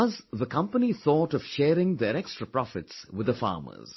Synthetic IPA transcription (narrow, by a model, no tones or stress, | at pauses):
ʌzðəkʰʌ̃mpəniθɔːʈɔʋ̥ʃɛːɾɪ̃ŋd̪ɛɾɛkstɹəpɾɔfɪtswɪd̪əfɑ̰ːmə̰z̥